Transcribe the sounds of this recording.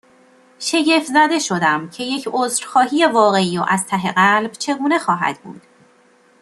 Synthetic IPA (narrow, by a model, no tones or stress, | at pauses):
ʃe̞ɟe̞fzæd̪e̞ʃo̞d̪æmcʰe̞je̞cʰoːzɾxɒːhiːjevɒːɣe̞iːoʔæzt̪ʰæɦe̞ɣælbt͡ʃʰe̞ɡuːne̞xɒːɦæ̰d̪̥bṵːd̪̥